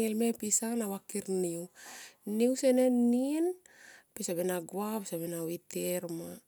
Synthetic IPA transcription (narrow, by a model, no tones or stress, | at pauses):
elmepisanawakiɾniwniwsenenːin | pesabenaɡwapesabenawiteɾma